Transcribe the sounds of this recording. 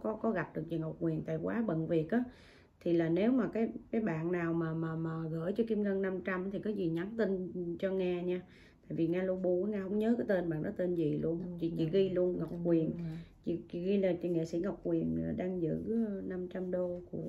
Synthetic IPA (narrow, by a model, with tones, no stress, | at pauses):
kɔ˨˦kɔ˨˦ɣa˨˩p̚ɗɨ˨˩ək̚t͡ɕḭ˧˨˩ŋa˨˩wk͡p̚kwi˨˩ənt̪a̰ː˧˨jkwaː˨˦ɓə̰˧˨nvi˨˩ət̚ʔaː˨˦ | t̪ʰi˨˩laː˨˩ne˨˦wmaː˨˩kaː˨˦jkaː˨˦jɓa̰ː˧˨nːaː˨˩wmaː˨˩maː˨˩maː˨˩ɣə̰ː˧˩jt͡ɕɔ˧ki˧mŋə˧ŋna˧mt͡ɕa˧mt̪ʰi˨˩kaː˨˦jzi˨˩ɲa˨˦nt̪i˧nt͡ɕɔ˧ŋaː˧ɲaː˧ | a̰ː˧˨jvi˨˩ŋaː˧lo˧ɓo˧aː˨˦ŋaː˧ɦə˧wŋ͡mɲəː˨˦kaː˨˦jt̪e˧nɓa̰ː˧˨nʔɔ˨˦t̪e˧nzi˨˩lu˧ənt͡ɕḭ˧˩t͡ɕḭ˧˨ɣi˧lu˧ənŋa˨˩k͡p̚kwi˨˩ənt͡ɕḭ˧˨t͡ɕi˧˩ɣi˧laː˨˩t͡ɕḭ˧˨ŋḛ˧˨sḭ˧˩ŋa˨˩wk͡p̚kwi˨˩ənɗaː˧ŋzɨ̰˧˥˧na˧mt͡ɕa˧mɗo˧ku˧˩ə